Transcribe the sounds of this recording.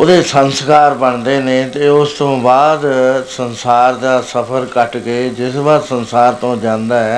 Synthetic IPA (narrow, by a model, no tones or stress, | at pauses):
oːd̪eːsənskaːɾbəɳd̪eːneːt̪eːʊst̪õːbaːd̪sənsaːɾd̪aːsəpʰəɾkəʈkeːd͡ʒɪsbaːɾsənsaːɾt̪õːd͡ʒãːnd̪aːɛː